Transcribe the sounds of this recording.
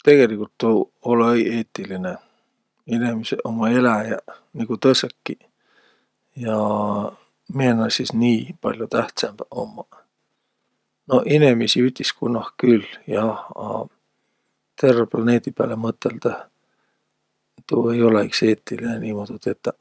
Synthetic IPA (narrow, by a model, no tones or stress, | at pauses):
t̪e̞ɡ̥e̞likult̪ːuoleie̞ːt̪ːˑiline | inemiseʔomːɑe̞læjɑniɡ̥ut̪ɤsekːi | jɑ | mienːɑsisniːpɑ̰lʲjot̪æht̪semb̥o̰mːɑ | no̞hinemisiyt̪ʲːiskunɑhkyljɑhɑ̰ | t̪e̞rːeplɑne̞ːd̪̥ipæ̰ːlemɤt̪ːˑe̞ld̪ɑ | t̪uejo̞leikse̞ːt̪ːilineniːmod̪̥ut̪et̪ːɑ